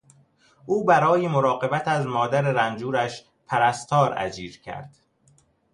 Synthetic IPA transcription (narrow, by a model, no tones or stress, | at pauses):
ʔuːbæɾɒːjemoɾɒːɢe̞bæt̪ʰæzmɒːd̪æɾeɾænd͡ʒuːɾæʃ | pʰæɾæst̪ʰɒːɾæ̰d͡ʒiːɾcʰæ̰ɾd̪̥